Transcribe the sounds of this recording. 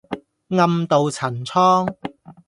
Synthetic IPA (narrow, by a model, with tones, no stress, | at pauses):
ŋɐ˧mt̪o˨wt͡sʰɐ˨˩nt͡sʰɔː˥ŋ